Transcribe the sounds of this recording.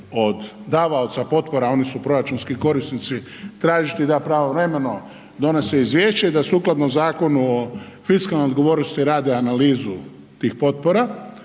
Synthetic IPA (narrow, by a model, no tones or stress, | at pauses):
o̞d̪d̪aʋaot̪sapo̞t̪po̞ɾao̞nisupɾo̞ɾat͡ʃunskiko̞ɾist̪nit̪si | t̪ɾaːʒit̪id̪apɾaʋo̞ʋɾemeno̞ | d̪o̞ne̞seizʋʲjeːʃt͡ɕeid̪asuːklˠad̪nomzaːko̞nuo | fiskalnojod̪̚ɡo̞ʋo̞ːɾnost̪iɾaːd̪eanaliːzu | t̪iːxpo̞t̪̚po̞ɾa